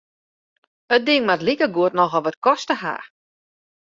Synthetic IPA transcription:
ət̚dɪŋmatlikəɡuətnɔxɔlˠʋɔt̚kɔstəɦa̰ː

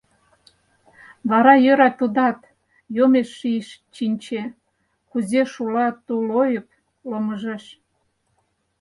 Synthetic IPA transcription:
βɑɾɑjøɾɑt̪ud̪ɑt̪ | jomeʃːiʃt͡ɕinʲt͡ɕe | kuzeʃulɑt̪ulojə̆p̚ | loməʒeʃ

